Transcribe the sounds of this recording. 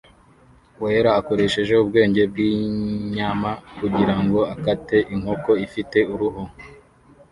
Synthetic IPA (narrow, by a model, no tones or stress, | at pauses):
weɾaːko̞ɾe̞ʃe̞ʒe̞ubɡe̞ːɲɟe̞b̚ɡiɲaːmakuɟiɾaŋɡo̞akate̞ʔiŋ̥ho̞ko̞ifite̞uɾuɦo